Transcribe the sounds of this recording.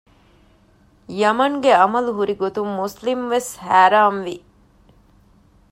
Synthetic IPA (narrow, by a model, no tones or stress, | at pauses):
jɐmɐŋɡeɐmɐluɦuɾiɡot̪umːuslimʋeshæːɾaːmʋi